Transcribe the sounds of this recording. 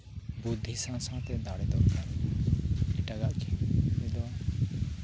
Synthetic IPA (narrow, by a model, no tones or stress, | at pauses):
bud̪ʱːisãsãt̪ɛd̪ʱaɽɛd̪ɔkaɾi | eʈaɡaʔkʰiid̪ɔ